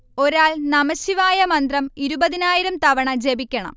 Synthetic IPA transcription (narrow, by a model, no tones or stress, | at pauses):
o̞ɾaːɭnɐmɐɕiʋaːjɐmɐnd̪rɐmiɾubɐðinaːjiɾɐmt̪ɐʋɐɳɐd͡ʑe̞bikʲːɐɳɐ̰m